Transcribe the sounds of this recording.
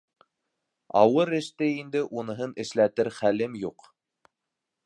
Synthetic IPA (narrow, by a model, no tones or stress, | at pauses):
ɑ̰wɤɾɘ̆ʃt̪ɘind̪ɘʔunɤ̆ɦɤnɘ̆ʃlæt̪ɘɾχælɘmjuq